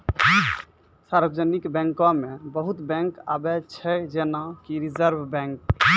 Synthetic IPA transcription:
saɾbəd͡ʒənikbɛ̃ŋkɔ̃mẽbəɦut̪bɛ̃ŋka̰bɛt͡ʃʰɛd͡ʒenakiɾid͡ʒəɾbbɛ̃ŋk

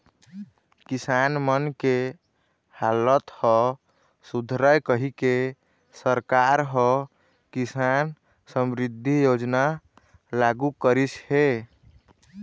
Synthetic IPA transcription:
kisanmənke | halət̪hɔ | sud̪ʱɾəjkəɦike | səɾkaɾɦɔ | kisan | səmɾid̪ʱːijod͡ʒna | laɡukəɾishe

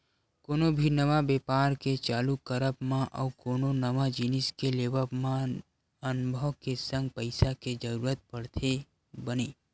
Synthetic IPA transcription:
koːnobʱinəʋabeːpaːɾket͡ʃaːlukəɾəpmãʔə̰ʊkoːnonəʋad͡ʒinɪskeleːʋəpmã | ənʊbʱəʋkesə̃ŋɡpəɪsaked͡ʒəɾuːɾət̪̚pəɽt̪ʰe | bəneː

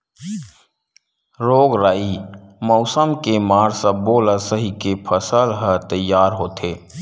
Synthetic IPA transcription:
ɾoːɡɾaːimɔʊsəmkemaːɾsəboːləsəɦikepʰəsəlɦət̪əjːaːɾɦoːt̪ʰeː

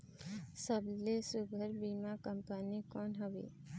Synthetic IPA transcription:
səblesubʱəɾbiːmakəmpanikɔːnɦowḛː

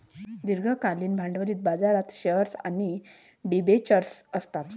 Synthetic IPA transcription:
d̪iɾɡʱəkaliːnbʱãɳɖʋəɾiːt̪̚bad͡zaɾat̪ɕəɾsa̰ñi | ɖibet͡ɕəɾsəst̪at̪

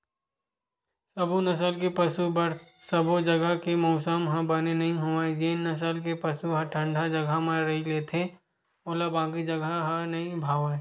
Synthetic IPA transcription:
səbʱunɐsəlkepɐsubəɾsəbod͡ʒɐɡəkemɔːsəmɦɐ̃bɐnenɐɦĩɦoad͡ʒeːnːɐs̬əlk̬epɐsuɦɐʈʰə̃ɳɖʱad͡ʒɐɡʱamẽɾɐɦileːt̪ʰe | oːlabãːkid͡ʒɐɡaɦanɐɦĩbʱaːʋa

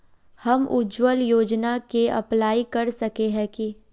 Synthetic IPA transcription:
hɐmʔʊ̰d͡ʒwəljoːd͡ʒnakeʔɐ̰plaːikɐɾsɐkeɦɛ̃ki

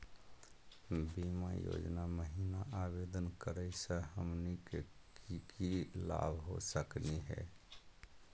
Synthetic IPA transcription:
bimajo̰d͡ʒnaməɦinaʔabed̪ənkəɾəisə̃ɦəmnike | kikila̰bʱɦosəkniɦɛ̰

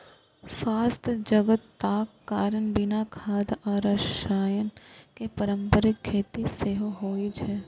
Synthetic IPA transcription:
swaːst̪ʰd͡ʒɐɡət̪ːaːkːaːɾənbɪnakʰaːd̪aːɾɐʃʃaːjənkepɐɾə̃mpəɾɪkkʰːeːt̪iseːɦoɦoːid͡ʒɛː

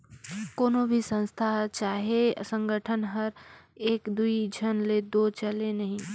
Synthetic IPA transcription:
koːnobʱisə̃nst̪ʰat͡ʃaːɦesə̃ŋɡʱəʈʰənɦɐɾeːkd̪uid͡ʒʱɐnleːd̪ot͡ʃɐlenɐɦĩ

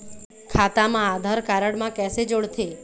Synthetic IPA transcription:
kʰat̪amãad̪ʱaɾkaɾəɽmãkɛsed͡ʒoɽt̪ʰe

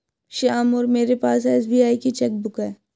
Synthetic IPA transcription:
ʃiaːmɔːɾmeːɾepaːsɛːs̬biːaːikit͡ʃɛk̚bʊkɛː

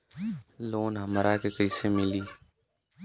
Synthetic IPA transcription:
loːnɦəmɾaːkeːkəiseːmɪliː

